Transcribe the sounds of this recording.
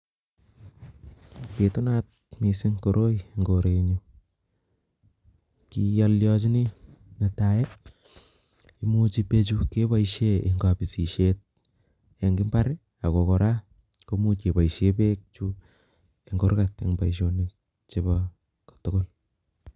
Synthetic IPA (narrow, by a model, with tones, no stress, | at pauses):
pe˨tu˦na˦t̚mi˨sɪ˦ŋkoɾʔo˦ieŋɡo˨ɾe˨ɲu | ki˦jaljɔt͡ʃ̬i˦ni˦na˨ta˨je˦ | i˨mu˦t͡ʃipe˦t͡ʃu˦ke˦ba˦iʃe˦e˨ŋɡa˨pi˨si˨ʃet̚ | ja˨ŋɡɪ˦mba˦ɾe | a˨ko˨kɔ˨ɾa˦ | ko˦mu˦t͡ʃe˨ba˨iʃe˦pek̚t͡ʃu | e˨ŋɡo˦ɾka˨ta̰˨ŋba˨iʃ̬o˦ni | t͡ʃe˦bɔ | kḁto˦ko˦l